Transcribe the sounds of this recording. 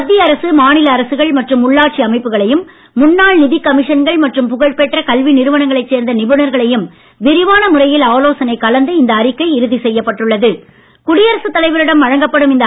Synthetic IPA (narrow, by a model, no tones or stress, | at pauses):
ɐd̪ːɪjɐɾɐsɯmaːnɪlɐːɾɐsɯɣɐɭmɐʈrɯmːʊɭːaːʈ̚t͡ʃiɐmɐɪpːɯɣɐɭɐjɯmː | ʊnːaːɭnɪðɪkɐmɪʂɐnɡɐɭmɐʈrɯmpʊɣɐɭpeʈrɐkɐlʋinɪɾɯʋɐɳɐŋɡɐɭɐɪt͡ʃseːɾnd̪ɐnɪbɯɳɐɾɣɐɭɐjɯm | ʋɪɾɪʋaːnɐmʊɾɐjɪlaːloːsɐnɐɪkːɐlɐnd̪ɯɪnd̪ɐːɾɪkːɐɪɪɾɯðisɛjːɐpːɐʈːɯɭːɐðɯ | kʊɽɪjɐɾɐsɯt̪ːɐlɐɪʋɐɾɪɽɐmʋɐɻɐŋɡɐpːɐɽɯmɪnd̪